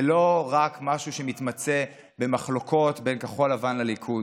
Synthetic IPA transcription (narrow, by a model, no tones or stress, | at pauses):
elo̞ʁakmaʃuʃe̞mit̪mat͡se̞ | be̞maχlo̞kʰo̞tbe̞nkaχo̞lavanlalikʰu